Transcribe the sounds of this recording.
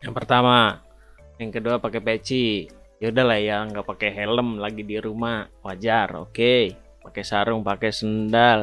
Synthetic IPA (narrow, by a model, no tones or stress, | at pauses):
jaŋpərt̪ama | jaŋkəduapakɛpet͡ʃi | jaudahlahjaŋɡapakɛɦɛləmlaɡidiɾumawad͡ʒaro̰ke | pakɛsaɾʊŋpakɛsəndal